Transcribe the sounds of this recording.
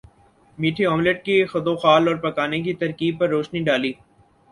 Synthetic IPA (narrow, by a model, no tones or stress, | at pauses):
miːʈʰeɔːmleʈ̚kexɐd̪oːxaːlɔːɾpɐkaːnek̬it̪ɐɾkiːb̚pɐɾːoːʃniɖaːliː